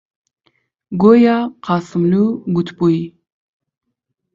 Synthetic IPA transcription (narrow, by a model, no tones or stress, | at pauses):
ɡojɑqʰɑːsɨmluɡut̪ʰbuj